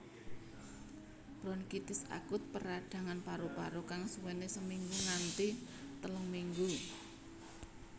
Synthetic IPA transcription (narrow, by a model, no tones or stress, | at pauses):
b̥ɾɔnkit̪ɪsa̰kʊt̪̚pəɾaɖ̪̥ä̤ŋanpaɾupaɾokaŋsuwenesəmiŋɡunant̪it̪əlɔŋmiŋɡu